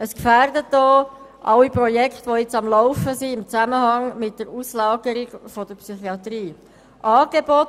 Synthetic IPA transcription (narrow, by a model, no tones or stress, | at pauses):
əskfæːɾdət̚d̥ɔː | ʔɑwipɾɔjɛkχt̪ʋɔɪt͡sɑmlɔʊfəsiɪmt͡sæməhɑŋmɪt̚d̥əɾuslɑːɡ̥əɾɪɡ̥fɔdəɾpsyχiɑt̪ɾiː | ʔɑːɡ̥ebɔt